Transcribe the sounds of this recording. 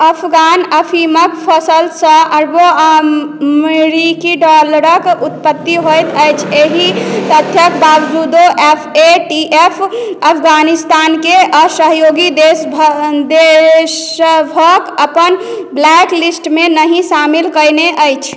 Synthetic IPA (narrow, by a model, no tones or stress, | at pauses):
əpʰɡanəpʰiməkpʰəsəlsə̃ʔəɾboəmeɾikiɖɔləɾəkut̪̚pət̪ːiɦojt̪əjt͡ʃʰeɦit̪ət̪ʰjəkbabd͡ʒud̪oʔepʰeʈiʔepʰəpʰɡanist̪ankeʔəsəɦjoɡid̪e | d̪esbʱəkəpənblɛklisʈmenəɦĩsamilkəjneʔəjt͡ʃʰ